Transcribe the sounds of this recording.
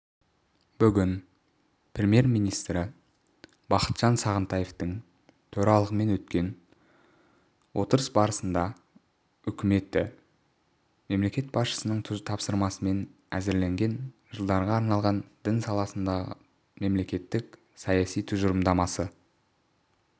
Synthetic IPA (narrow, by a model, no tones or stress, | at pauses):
b̥ʏɡʲɪn | prʲemije̞ɾmijnijst̪ɾɪ | b̥ɑqə̥t̪ʒ̥ɑnsɑʁənt̪ɑjeft̪əŋ | t̪ʰɵɾɑlˠəʁəme̞nwɵt̪kʲe̞n | wʔo̞t̪əɾəsbɑɾəsənd̪ɑ | ʏkʲɪme̞t̪ːɪ | me̞mle̞kʲe̞t̪̚bɑsʃə̥sənəɴt̪ʰʊt̪ʰɑpsəɾmɑsəme̞n | æzɪɾleŋɡʲe̞nʒ̥əlˠd̪ɑɾʁɑːɾnɑlˠʁɑnd̪̥ɪnsɑlˠɑsənd̪ɑʁə̰ | me̞mle̞kʲe̞t̪ːɪk | sɑjɑsijt̪ʰʊʒəɾəmd̪ɑmɑsə